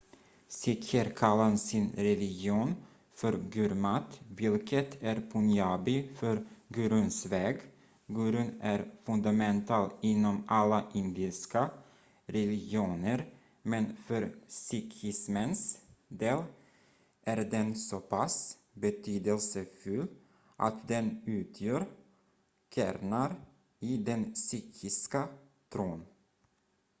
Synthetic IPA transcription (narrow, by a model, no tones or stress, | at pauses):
sɪkʰəɾkʰalːansɪnɾɛlɪɡjɪuːn | fœɾɡʉɾmat̪vɪlkʰət̪ʰæɾpʰʊnjaːbɪfœɾɡʉːɾʉnsvɛːɡ | ɡʉːɾʉnæɾfɵnd̪amɛnt̪ʰɑːlɪnːɔmalːaʔɪnd̪ɪska | ɾɛlɪɡɪuːnəɾ | mɛnfœɾsʏkʰɪsmənsd̪eːl | ʔæɾd̪ɛnsɔpʰas | bɛt̪ʰyːd̪əlsəfɵlː | ʔa̰t̪d̪ɛnʉ̟ːt̪ʰjœːɾ | kʰæ̰ːɾnaɾ | ɪd̪ɛnsyːkʰɪska | t̪ʰɾuːn